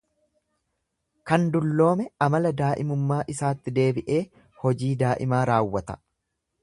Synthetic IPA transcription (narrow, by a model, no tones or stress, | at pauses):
kɐnd̪ʊlːo̞ːmɛɐmɐlɐd̪aːʔɪmʊmːaːʔɪsaːt̪ːɪd̪e̞ːbɪʔe̞ː | hɔd͡ʒiːd̪aːʔɪmaːɾaːwːɐt̪ɐ̥̰